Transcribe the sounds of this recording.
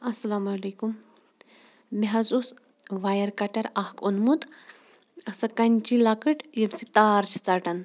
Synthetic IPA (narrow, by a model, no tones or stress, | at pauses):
ɐsɐlaːmɐlekum | miɦɐzus | ʋajɐɾkɐʈɐɾahkonmut̪ | ɐsɐkɐnʲt͡ʃilakɨʈjɐmsit̪aːɾsi̥t͡saʈɐn